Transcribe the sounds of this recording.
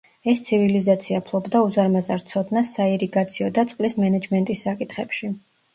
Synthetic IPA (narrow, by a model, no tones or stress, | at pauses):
ɛst̪sʰivilizat̪sʰiapʰlˠɔbd̪auzaɾmazaɾt̪sʰɔd̪nasːaiɾiɡat̪sʰiɔd̪at̪sʼqʼlismɛnɛd͡ʒmɛnt̪ʼisːakʼit̪χɛpʃi